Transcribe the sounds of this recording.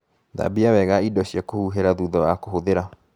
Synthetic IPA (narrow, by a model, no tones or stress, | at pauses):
ða̰biawɛɣaidɔɕjakohuɦeɾaðuðɔwakoɦoðeɾa